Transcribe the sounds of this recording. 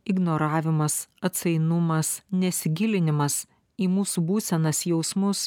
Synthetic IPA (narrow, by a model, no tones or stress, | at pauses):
ɪɡnoːɾɑːʋʲɪmɐsɐt̪sɐɪnʊmɐsnʲɛsʲɪɡʲɪlʲɪnʲɪmɐs | iːmuːsuːbuːsʲɛnɐsjɛʊsmʊs